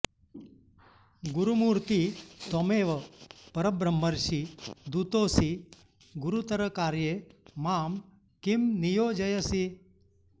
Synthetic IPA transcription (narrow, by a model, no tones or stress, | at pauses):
ɡuɾumuːɾt̪it̪omeːʋɐpɐɾəbɾəmːəɾʃid̪ut̪oːsi | ɡuɾut̪ɐɾəkaːɾjemaːm | kimnijoːd͡ʒɐjəsi